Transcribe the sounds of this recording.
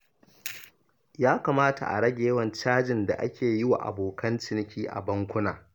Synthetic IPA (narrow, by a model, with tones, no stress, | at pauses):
jaː˦kaː˨maː˦ta̰˨ʔa̰˨ɽɐ˦ɡʲe˨jɐ˦wɐ˨nt͡ʃaː˦d͡ʒɪ˨nda̰˨ʔa˦kʲeː˨jɪ˦wa̰˨ʔa̰˨boː˨kɐ˦nt͡ʃɪ˦nɪ˦kʲʰiː˦ʔa̰˨bɐ˦ŋkʷʊ˦naː˨